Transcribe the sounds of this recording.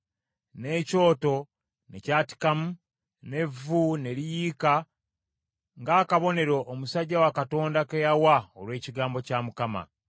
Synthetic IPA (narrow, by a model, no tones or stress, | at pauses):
ne̞ːco̞ːto̞ | ne̞̰caːti̥kamu | ne̞vːune̞lijiːka | ŋɡaːkaβo̞ne̞ɾo̞ʔːmusaɟːawakato̞ːndakejawaolwe̞ːciɡaːmbo̞camukama̰